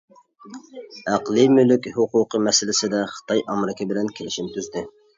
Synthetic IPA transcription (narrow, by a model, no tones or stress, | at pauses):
æqlˠɨmylykʲhʊqʰʊqʰəmɛsɪlɪsɪd̪ɛχə̥t̪ʰɑjʔɑmɾɪkʲʰɪbɪlɛnkʲʰelɪʃint̪ʰyzd̪ɪ